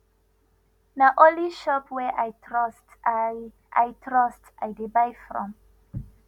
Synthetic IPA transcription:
naʔoliʃɔpwɛʔajtɹɔst | ʔa̰jtʰɹɔstajdibajfɹɔ̰̃m

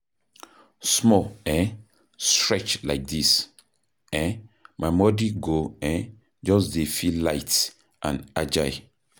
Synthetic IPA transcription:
smɔɛ | stɹɛt͡ʃlaɪk̚dis | ɛmʔaɪmɔdiɡoɛ | d͡ʒɔsdefilaɪt | ʔã̰nad͡ʒaɪ

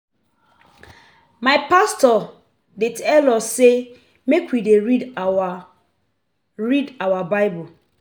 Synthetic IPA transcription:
maɪpastɔ | detɛlɔse | mekwideɹid | ɹidawabaɪbul

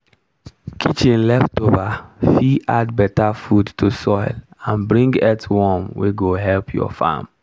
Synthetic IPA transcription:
kʰit͡ʃin̩lɛftovafiʔadbɛtafudtosɔɪlãnbɾĩŋɡɛtwɔmwʔḛɡoɦɛlpʰjɔ̰fa̰m

